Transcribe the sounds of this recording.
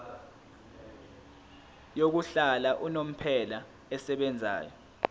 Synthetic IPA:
jok̬uɬalaʔunom̩pʰɛla | ɛsɛɓɛnd͡zʱa̰ːjɔ

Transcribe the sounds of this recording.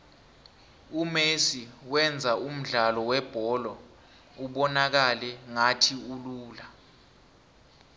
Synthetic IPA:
umesiwɛnd͡zʱaum̩ɮalɔwɛb̥ʱɔlɔ | uɓɔnak̬alɛŋatʰiuluːla

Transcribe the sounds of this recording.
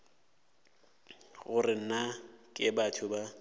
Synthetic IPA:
ɣʊrɪn̩nakʼɪbatʰʊba

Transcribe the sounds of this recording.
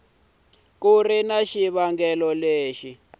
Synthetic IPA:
kurinaʃiβaŋɡɛlɔleːʃi

